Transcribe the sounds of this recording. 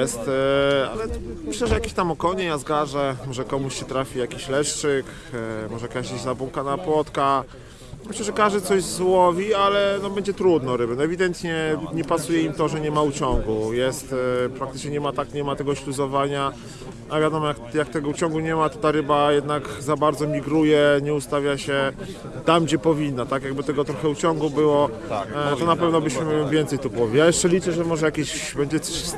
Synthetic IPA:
ɛst̪a̰lɛmɘɕlɛʐɛjakʲeɕt̪amɔkɔɲɛjazɡaʐɛmɔʐɛkɔmuɕɕɛt̪ɾafʲijakʲiɕlɛʂt͡ʂɘk | mɔʐɛjakaeɕzabuŋkanapwɔt̪ka | mɘɕlɛʐɛkaʐd̪ɘt̪sɔʑzwɔvʲialɛnɔbɛɲd͡ʑɛt̪ɾud̪nɔɾɘbɘnɔɛvʲid̪ɛnt̪ɲɛɲɛpasujɛimt̪ɔʐɛɲɛmaut͡ɕɔŋɡujɛst̪pɾakt̪ɘt͡ʂɲɛɲɛmat̪akɲɛmat̪ɛɡɔɕluzɔvaɲa | avjad̪ɔmɔjakjakt̪ɛɡɔut͡ɕɔŋɡuɲɛmat̪ɔt̪aɾɘbajɛd̪nakzabaɾd̪zɔmʲiɡɾujɛɲɛust̪avʲjaɕɛ | t̪amd͡ʑɛpɔvʲinːat̪akjaɡ̚bɘt̪ɛɡɔt̪ɾɔxɛut͡ɕɔŋɡubɘwɔ | t̪ɔnapɛvnɔbɘɕmɘvʲjɛnt̪sɛjt̪upɔvʲijajɛʂt͡ʂɛlʲit͡ʂɛʐɛmɔʐɛjakʲeɕbɛɲd͡ʑɛt̪sɔ̥ɕs

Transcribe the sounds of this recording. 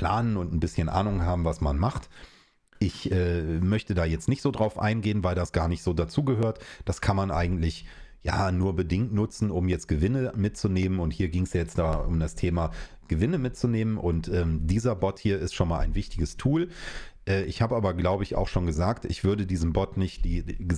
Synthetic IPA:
pʰl̥a̰ːnənʊntn̩bɪsçənʔa̰ːnʊŋhaːbm̩vasmanmaχt | ʔɪçʔɛːmœçtədaːjɛt͡stnɪçtz̥oːdʁaʊfʔa̰ɪnɡeːənvaɪldasɡ̥aːɐnɪçtz̥oːdat͡suːɡəɦøːɐtd̥askʰanmanʔa̰ɪɡŋ̩tlɪçja̰ːnuːɐbədɪŋtnʊt͡sn̩ʊmjɛt͡st̚ɡ̥əvɪnəmɪtt͡suneːmənʊnthiːɐɡɪŋsjajɛt͡std̥aːʔʊ̰mdastʰeːma | ɡ̥əvɪnəmɪtt͡suneːmənʔʊntʔɛːmdiːzɐbɔthiːɐɪstʃoːnmaːla̰ɪnvɪçtɪɡəstʰuːlʔɛːɪçhaːbəʔaːbɐɡlaʊbəɪça̰ʊxʃoːnɡəzaːktʔɪçv̥ʏɐdədiːzm̩bɔtnɪçtd̥iːə

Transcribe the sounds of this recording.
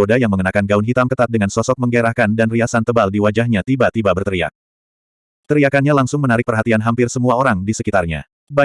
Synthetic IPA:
odajaŋməŋənakanɡaunɦit̪amkət̪at̪̚dəŋansɔsɔk̚məŋɡeɾahkandanriasant̪əbaldiwad͡ʒahɲat̪ibat̪ibabərt̪əɾia̰k̚ | t̪əɾiakanɲalaŋsʊŋmənaɾɪk̚pərɦat̪ianɦampɪrsəmuaoɾaŋdisəkit̪arɲa̰ | ba

